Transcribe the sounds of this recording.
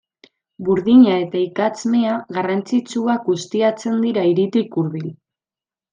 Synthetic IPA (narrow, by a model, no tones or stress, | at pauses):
buɾðiɲae̞t̪aikat͡sme̞aɣarant͡sit͡suakɡust̪iat͡se̞nd̪iɾaiɾit̪ikuɾðil